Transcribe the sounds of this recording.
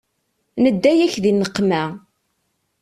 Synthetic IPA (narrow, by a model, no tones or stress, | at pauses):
nəd̪ːæjæçðinəqːmæ